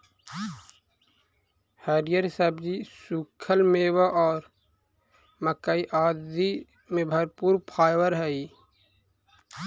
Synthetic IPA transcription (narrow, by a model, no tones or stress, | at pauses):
həɾijəɾsəbd͡ʒisuːkʰəlmeːwaʔɔːɾ | məkəiʔaːd̪i | mẽbʱəɾpuːɾpʰaːjʋəɾɦɛi